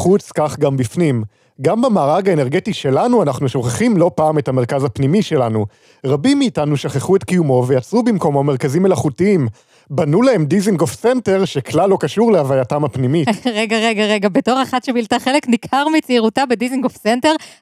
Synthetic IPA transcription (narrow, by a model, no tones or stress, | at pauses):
χut͡skaχɡambifnim | ɡambamaːʁaɡaeneʁɡe̞tiʃe̞lanuanaχnuʃo̞χeχimlo̞paːme̞thame̞ʁkazapnimiʃe̞lanu | ʁabimːiːtanuʃaχeχuetkijumo̞ve̞jat͡sʁubimko̞mameʁkazimːe̞laχutiim | banulee̞mdiziŋɡofse̞nte̞ʁʃe̞klalo̞kaʃuʁleavajatamhapnimiʁeɡaʁe̞ɡaʁe̞ɡabeto̞ʁeχatʃebiltaχele̞knikʰaʁmit͡siiʁutabediziŋɡofsenteʁ